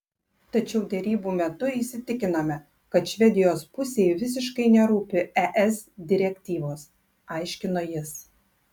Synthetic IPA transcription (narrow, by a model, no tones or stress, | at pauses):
t̪ɐt͡ʃʲɛʊd̪ʲɛɾʲiːbuːmʲɛt̪ʊisʲɪt̪ʲɪkʲɪnɐmʲɛ | kɐt̪ʃʲʋʲɛd̪ʲɪjoːspʊsʲeːjʋʲɪs̬ʲɪʃkɐɪnʲɛɾuːpʲɪɛʔɛsd̪ʲɪɾʲɛkʲt̪ʲiːʋoːs | ɑɪʃʲkʲɪnoːjɪs